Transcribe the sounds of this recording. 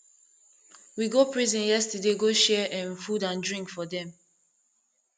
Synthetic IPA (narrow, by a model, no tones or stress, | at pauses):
wiɡopɹizɛ̃njɛstədeɡoʃɛɛ̃nfudãndɹĩŋkfɔdɛ̃m